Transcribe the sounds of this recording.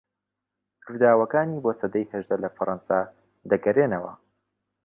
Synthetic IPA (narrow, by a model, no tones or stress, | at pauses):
t̪ʰɨɾd̪aːwɐkaːniːboːsɐd̪ɐjhɐʒd̪ɐlɐfɐɾˤɑnsa | d̪ɐɡɐɾeːnɐwɐ̰